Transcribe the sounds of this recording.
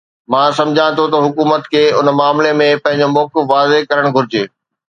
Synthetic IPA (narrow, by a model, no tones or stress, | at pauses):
mãːsɐ̃md͡ʑʱãt̪ʰot̪ɐɦʊkuːmət̪kʰeːʊnmaːmlemẽpɐ̃ɦɪ̃ɲd͡ʑomɔːkɪfʋaːzekɐɾəɽ̃ɡʱʊɾɪd͡ʑeː